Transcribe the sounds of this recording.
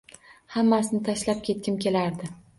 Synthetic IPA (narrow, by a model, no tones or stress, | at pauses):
hamːasɪnɪt̪ʰaʃlap̚kʲʰe̞t̪̚kʲɪmkʲe̞laɾd̪ɪ